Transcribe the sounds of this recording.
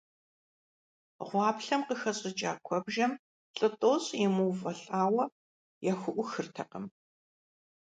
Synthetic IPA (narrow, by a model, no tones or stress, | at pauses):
ʁʷɑːpɬɐmqəxɐɕʼɪt͡ʃʼaːkʷʰɔbʒɐm | ɬʼɨtʼoːɕʼjɪmuːvɐɬʼaːwɐ | jɛxʷʊʔʷʊxɨrtʰɐqəm